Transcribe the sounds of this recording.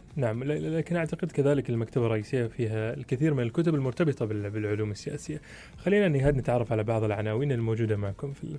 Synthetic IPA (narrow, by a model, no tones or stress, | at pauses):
naʕamlaːkɪnʔaʕt̪aqɪd̪kaðaːlɪkɪlmakt̪abarˤːɑʔiːsɪjːafiːɦalkɪθiːɾmɪnɪlkʊt̪ʊbɪlmʊɾt̪abɨt̪ˤɑbɪbɪlʕʊluːmɪsːɪja̰ːsɪjːa | xalːiːnaʔnːɪɦaːd̪nɪt̪ʕɑrˤːɑfʕalabɑʕðˤɪlʕanaːwiːnɪlmoːd͡ʒuːd̪amaʕkʊmfḭ